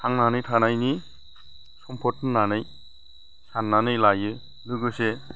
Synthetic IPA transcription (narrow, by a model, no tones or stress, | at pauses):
haŋnanɯjtʰanajni | sɔmpʰɔtnnːanɯj | sanːanɯjlajɯ | lɯɡɯse